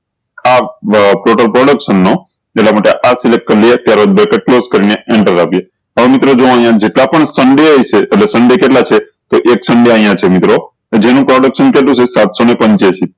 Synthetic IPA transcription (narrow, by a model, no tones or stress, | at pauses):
apɾoʈəlpɾɔɽəkʃənːo | elamaʈeʔasilek̚ʈ̚kəɾliet̪jaɾobɛkeʈ̚kloskəɾineeɳʈəɾapje | əʋemit̪ɾod͡ʒõə̃ɦjãd͡ʒeʈlapəɳsəɳɖeəjt͡ʃeːʈlesəɳɖekeʈlat͡ʃʰe | t̪oʔeksəɳɖeəɦĩjãt͡ʃʰemit̪ɾo | d͡ʒenũpɾɔɽəkʃənkeʈ̪ũt͡ʃʰesat̪sonepə̃ɲt͡ʃet͡ʃʰi